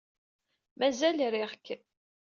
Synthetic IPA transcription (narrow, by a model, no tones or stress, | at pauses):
mæzælɾiʁkː